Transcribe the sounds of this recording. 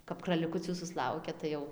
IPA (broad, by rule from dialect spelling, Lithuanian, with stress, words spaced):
kɐp krɐlʲɪˈkʊt͡sʲuː sʊsˈlˠɐʊkʲɛ ˈtɐɪ jɛʊ